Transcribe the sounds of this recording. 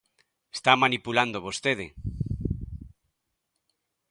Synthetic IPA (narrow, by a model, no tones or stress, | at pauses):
est̪amanipuland̪oβ̞ost̪eðe